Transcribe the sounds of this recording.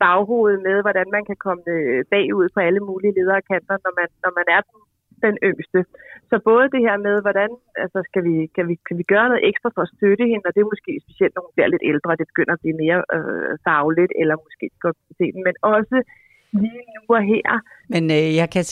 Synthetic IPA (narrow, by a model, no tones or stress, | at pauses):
b̥ɑ̈ʊɦo̝̰ːð̞̩ˠmeð̞ˠʋɒɾænmænkʰækʰɒ̽məb̥ɛ̰ːuð̞̰ˠpʰɒ̽æləmuːliəle̝ːð̞ˠɐːækʰæn̰d̥ɐnɒmænːɒmænæɐd̥en | d̥enøŋ̰sd̥əsɒ̽b̥ɔ̽ːð̞̩ˠəd̥e̝heɐ̰með̞ˠʋɒɾ̥ænælsɐsɡ̥æʋikʰæʋikʰæʋiɡ̥ɶːɐnɔ̽ːð̩ˠeɡ̥sd̥ʁɐfɒ̽ɒsd̥øɾ̥əhe̝nɒ̽d̥e̝æmosɡ̥e̝̰ːsb̥e̝siel̰d̥nɒhunb̥liɐle̝d̥eld̥ʁɐd̥e̝b̥e̝ɡ̥øn̰ɐɒb̥liːme̝ːɐfɑ̈ʊlid̥elɐmosɡ̥e̝̰̥ːɡ̥ɒd̥̚se̝̰ːd̥n̩menɒ̽sə | liːnuɒɦeɐ̰menjɑ̈ɪkʰæ